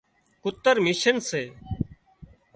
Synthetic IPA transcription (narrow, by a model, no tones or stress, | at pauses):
kʊt̪ːəɾmɪʃənseː